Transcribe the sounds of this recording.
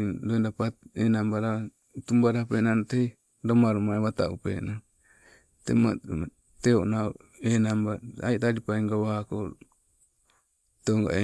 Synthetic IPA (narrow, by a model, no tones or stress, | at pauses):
doindapaenambaɾa | t̪umbaɾapenanot̪ei | domaɾumaeβat̪a̰ṵpḛno | t̪ḛma | t̪eoʔnao | enambaaitaɾipaiŋɡawako | t̪oŋɡa̰e